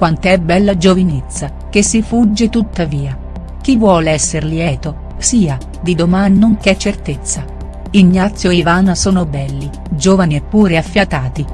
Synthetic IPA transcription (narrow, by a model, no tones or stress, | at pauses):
kwant̪ɛbːɛlːad͡ʒovinet̪sːa | kesːifud͡ʒːet̪ut̪ːaviːa | k̟ivːwɔːleɛsːerljɛːt̪o | siːa | d̪id̪omanoŋket͡ʃːert̪et̪sːa | inːat̪sːjoivaːnasoːnobɛlːi | d͡ʒoːvaniepːuːɾeafːjat̪aːt̪i